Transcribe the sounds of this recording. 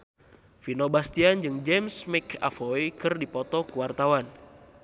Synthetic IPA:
finobast̪iand͡ʒɨŋd͡ʒɛmsmɛkʰa̰fɔjkɨrdipɔt̪ɔkuwart̪awan

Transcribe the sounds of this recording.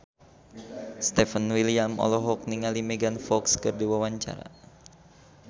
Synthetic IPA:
st̪ɛfənwiliamɔ̰lɔɦɔk̚niŋalimɛɡanfɔkskərdiwawaɲt͡ʃa̰ɾa̰

